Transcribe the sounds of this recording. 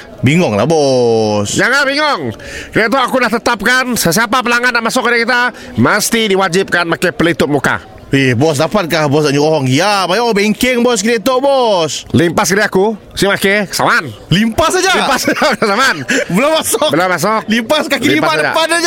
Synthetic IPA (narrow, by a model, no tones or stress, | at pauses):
biŋɔŋla̰hbɔsd͡ʒaŋabiŋɔŋkəɾiat̪uakunaht̪ət̪ap̚kansəs̬iapap̬əlaŋadaʔmasɔk̚adakit̪a | məst̪idiwad͡ʒip̚kanmakepəlit̪ʊp̚muka̰ | ehbɔs̬dapat̪̚kahbɔsaɲuɔɦɔŋijapajaobeŋkɪŋbɔskit̪at̪oʔbɔslimpaskəɾaku | simakekə̥samanlimpasad͡ʒalimpasaəsamanbəlamasɔkbəlamas̬ɔk̚limpaskaliipaaa̰padad͡ʒ